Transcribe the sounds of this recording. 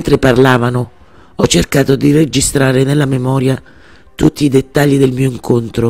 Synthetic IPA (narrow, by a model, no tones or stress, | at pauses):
nt̪ɾɪparlaːvanʊ | ɔt͡ʃːerkaːt̪ʊd̪ired͡ʒist̪ɾaːɾɪnelːamemɔːɾja | t̪ut̪ːiːd̪et̪ːaʎːid̪elmiːoiŋkʰont̪ɾo